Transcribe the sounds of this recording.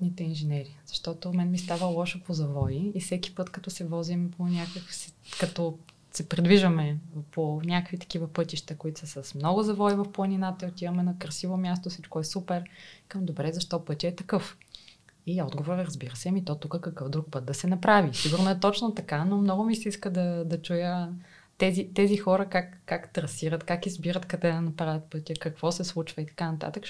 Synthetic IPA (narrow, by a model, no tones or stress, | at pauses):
nit̪ɛinʒɛnɛɾiz̥ɐʃt̪ɔt̪omɛnmist̪avəlˠɔʃopozɐvɔiːfsɛk̟i̥pɤt̪kɐt̪ɔsɛvɔzimponʲakəksikɐt̪ɔ | sɛpɾid̪viʒəmɛponʲakvit̪ɐ̥k̟ivəpɤt̪iʃt̪əkoit̪ʊ̥səsəsmnɔɡʊzɐvɔivɐfplˠɐninat̪əiot̪ivəmɛnɐkɾɐsivomʲjas̬t̪osit͡ʃkoɛsupɛɾkəmd̪obɾɛzɐʃt̪ɔpɤt̪ʲəɛt̪ɐkɤf | iɔd̪ɡovoɾɾɐzbiɾəsɛmit̪ɔt̪ukəkɐkɤfd̪ɾuk̚pɤt̪̚d̪ɐsɛnɐpɾavisiɡʊɾnoɛt̪ɔt͡ʃnot̪ɐkanomnɔɡʊmisɛiskəd̪ɐd̪ɐt͡ʃujə | t̪ɛzit̪ɛzixɔɾəkakːakt̪ɾɐsiɾət̪kakizbiɾət̪kɐd̪ɛd̪ɐnɐpɾavʲjɐt̪̚pɤt̪ʲəkɐkv̥ɔsɛslˠut͡ʃvəit̪ɐ̥kanɐt̪a̰t̪ək